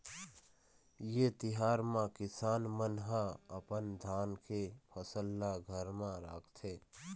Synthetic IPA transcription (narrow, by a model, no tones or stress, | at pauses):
jet̪ɪɦaːɾmãkɪsaːnmənɦãəpənd̪ʱaːnkʰepʰəsəlːaɡʱəɾmãɾa̰ːkʰt̪ʰeː